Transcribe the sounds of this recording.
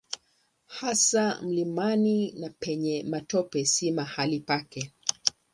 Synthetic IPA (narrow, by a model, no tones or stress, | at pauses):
hasam̩limaninapɛɲɛmatɔpɛsimahalipakɛ